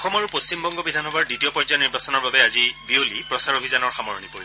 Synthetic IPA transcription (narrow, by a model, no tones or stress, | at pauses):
xɔmaɹupost͡ʃimbɔŋɡɔbidʱanɔbaɹditiɔpɔzaniɹbasɔnɔɹbabɛazibiolipɹɔsaɹobʱizanɔɹxamɔɹɔnipoɹibɔ